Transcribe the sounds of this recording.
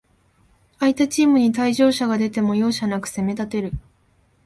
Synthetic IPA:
ait̪at͡ɕiːmɯ̟ɲ̟it̪aiʑo̞ːɕaɡad̪e̞t̪e̞mo̞jo̞ːɕanakɯ̟̥se̞me̞t̪at̪e̞ɾɯ̟

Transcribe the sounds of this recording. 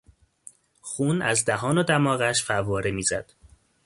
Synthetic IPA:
xuːnæzd̪æɦɒːnod̪æmɒːɣæʃfævɒːɾemiːzæd̪̥

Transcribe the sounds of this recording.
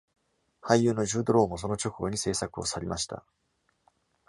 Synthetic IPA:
haijɯ̟ːno̞ʑɨːd̪o̞ɾo̞ːmo̞s̬o̞no̞t͡ɕo̞kɯ̟ɡo̞ɲ̟ise̞ːsakɯ̟o̞̰saɾʲimaɕi̥t̪a̰

